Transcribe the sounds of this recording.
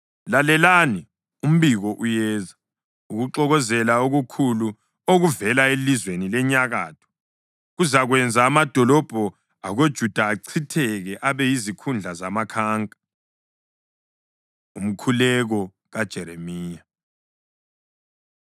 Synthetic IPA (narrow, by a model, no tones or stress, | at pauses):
lalɛlani | um̩βiɣɔʔujɛːza | uɣuǃɔɣɔzɛlaoɣukʰulu | oɣuvɛlaelizwenilɛɲaɣa̰ːtʰɔ̥ | ɣuzaɣwɛnd͡zʱaːmad̥ʱɔlɔb̥ʱɔ | a̰ɣod̥ʒ̥ʱud̥ʱaːǀʰitʰɛɣɛʔaβɛjizikʰund͡ɮʱazamakʰaːŋkʼa | um̩kʰulɛɣɔ | ɣad̥ʒ̥ʱɛɾemiːja